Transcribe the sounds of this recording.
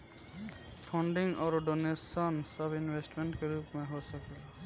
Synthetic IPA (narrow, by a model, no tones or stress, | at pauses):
pʰɔɳɖiŋɔːɾɔɖonesɔnsəbinwesʈmeɳʈkeɾuːpmẽɦosəke